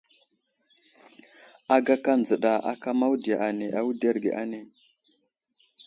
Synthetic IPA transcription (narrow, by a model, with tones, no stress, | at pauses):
a˨ɡa˦ka˦nd͡zə˨ɗa˨ʔa̰˨ka˦ma˦wu˦di˨ja˨ʔa˨ne˨ʔa˦wu˦de˦ɾɡḛ˨ʔa̰˦ne˨